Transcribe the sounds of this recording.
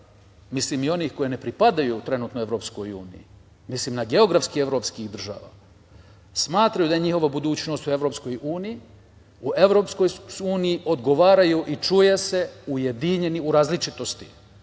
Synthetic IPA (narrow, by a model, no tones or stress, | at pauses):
misliːmio̞niːxko̞jene̞pɾipad̪ajut̪ɾe̞nuːt̪noe̞ʋɾo̞ːpsko̞jṵːnḭji | misliːmnaɡe̞o̞ɡɾafskie̞ʋɾo̞ːpskixd̪r̩ʒa̰ːʋa̰ː | smaːt̪ɾajud̪ajeɲixo̞ʋabud̪uːt͡ɕno̞st̪ue̞ʋɾopsko̞juːniji | ue̞ʋɾo̞psko̞juːnijiʔo̞d̪ɡo̞ʋaːɾajuʔit͡ʃujese̞uje̞d̪iɲe̞niuɾaːzlit͡ʃit̪o̞st̪i̥